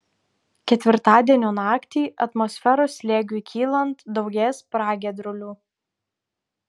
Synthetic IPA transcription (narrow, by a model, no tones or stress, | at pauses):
kʲɛt̪ʲʋʲɪɾt̪ɑːd̪ʲiɛnʲoːnɑːkt̪ʲiːʔɐt̪mɔsʲfʲɛɾoːslʲeːɡʲukʲʰiːlˠɐnt̪d̪ɒʊɡʲeːspɾɑːɡʲɛd̪ɾʊlʲuː